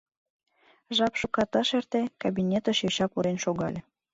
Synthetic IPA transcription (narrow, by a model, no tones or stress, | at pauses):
ʒɑpʃukɑt̪ɤʃert̪ekɑbinʲet̪ə̆ʃjoɕɑpuɾenʃoɣɑ̰lʲe